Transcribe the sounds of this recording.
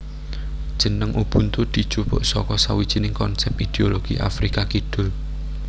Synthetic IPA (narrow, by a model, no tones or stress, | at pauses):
d̥ʒ̥ə̤nəŋʔub̥unt̪ud̪̥i̤̥ʒ̥upʊ̰ʔsɔkɔsawid̥ʒ̥i̤nɪŋkɔnsɛp̚id̪̥eoloɡ̥iʔa̰fɾikakiɖ̥ʊ̤l